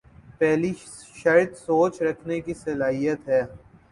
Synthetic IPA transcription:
pɛːli | ʃɐɾt̪soːt͡ʃɾɐkʰnekisɐlaːɦijət̪ɦɛː

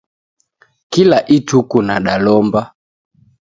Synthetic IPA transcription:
kilaʔitukunaɗalɔmba

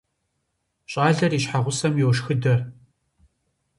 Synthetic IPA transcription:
ɕʼaːɮɐriːɕħaʁʷʊsɐmjowʃxɨdɐr

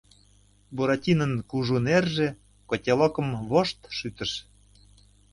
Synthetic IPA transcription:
buɾɑtʲinənkuʒunerʒĕ | kotʲelokə̆mβoʃt̪ʃyt̪ə̆ʃ

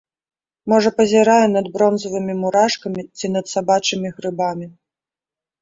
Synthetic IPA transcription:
mɔʐɐpɐzʲɛɾajɛnɐd̪bɾɔnzɐvɨmʲimuɾaʂkɐmʲit͡sʲinɐt̪sabat͡ʂɨmʲiɣɾɨbamʲi

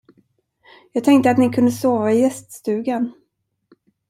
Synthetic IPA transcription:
jɑːɡ̚t̪ʰɛŋkt̪əat̪nɪkʰɵnd̪əsoːvaɪjɛst̪st̪ʉ̟ːɡən

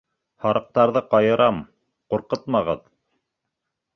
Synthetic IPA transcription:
hɑɾɤ̆q̚t̪ɑɾðɤqɑjɤ̆ɾɑm | quɾqɤt̪mɑʁɤ̰ð

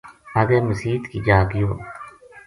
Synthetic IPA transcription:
aɡeːməsiːt̪kiːd͡ʒaːɡɪjoː

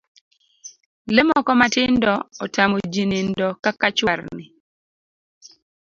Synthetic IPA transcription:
lɛmɔkɔmatɪndɔɔtamod͡ʒinɪndɔkakat͡ʃwaɾnɪ

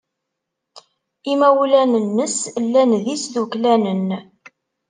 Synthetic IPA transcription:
imæwlænənːəslːænðisðuklænən

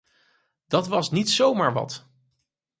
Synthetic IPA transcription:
d̥ɑtʋɑsnitsowmaːɹʋɑ̰t

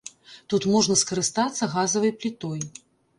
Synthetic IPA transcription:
t̪ut̪mɔʐnɐskɐɾɨst̪at̪sːɐɣazɐvɐjplʲit̪ɔj

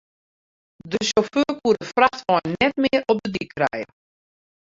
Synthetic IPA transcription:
dəʃoføːkuəɾəfraxtʋɔjnːɛtmɪərɔp̚dədikʰrɛ̰jə

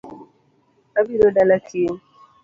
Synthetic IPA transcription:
abiɾodalakʰi

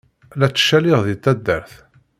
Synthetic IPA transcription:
læt͡sːə̥ʃːælɪʁðit̪ːæd̪ːəɾθ

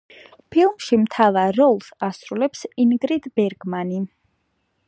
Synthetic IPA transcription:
pʰilˠmʃimt̪ʰavaɾːɔlˠsasɾulɛpsinɡɾid̪bɛɾɡmani

